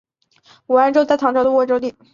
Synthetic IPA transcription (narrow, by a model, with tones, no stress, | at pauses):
u˨˩a˧˥ʈ͡ʂo˥ʊt̪a˥˩t̪ʰɑ˧˥ŋʈ͡ʂʰɑ˧˥d̪ə˧wɔ˧˥ʈ͡ʂo˥ʊt̪i˥˩